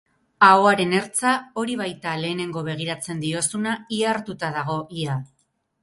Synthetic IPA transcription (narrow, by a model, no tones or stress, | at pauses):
aoaɾe̞ne̞ɾt͡sao̞ɾiβajt̪ale̞ːne̞ŋɡo̞βe̞ɣ̞iɾat͡se̞nd̪io̞sunaiaɾt̪ut̪að̞aɣ̞o̞ʔia